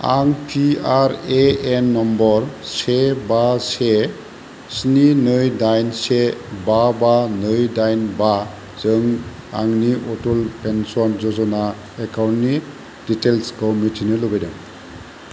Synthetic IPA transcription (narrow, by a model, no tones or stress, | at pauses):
a̰ŋpʰiaɾeɛnːɔmbɔɹsebase | sninɯjdajnsebabanɯjdajnba | zɯŋ | a̰ŋniʔotulpɛnsɔnzɔzɔna | ɛkawni | ditelskɔwmitʰinɯloɡajdɛŋ